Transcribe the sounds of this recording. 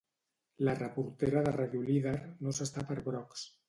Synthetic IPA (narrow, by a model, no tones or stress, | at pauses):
larəpuɾt̪eɾaðəraðjuliðeɾnosəst̪apəɾβɾɔks